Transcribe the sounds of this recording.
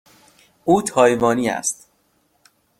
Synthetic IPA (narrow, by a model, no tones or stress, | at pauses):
ʔuːt̪ʰɒːjvɒːniːæ̰st̪